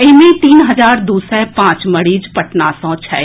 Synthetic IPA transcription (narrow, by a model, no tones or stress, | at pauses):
ɪmẽt̪iːnɦɐd͡ʒaːɾd̪uːsɛpãːt͡ʃməɽiːd͡ʒpɐʈnaːsɔ̃ːt͡ʃʰɛ̰ː